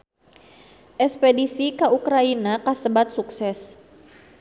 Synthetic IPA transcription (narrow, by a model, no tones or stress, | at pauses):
ʔɛspedisikaukɾainakasəbat̪̚suksɛs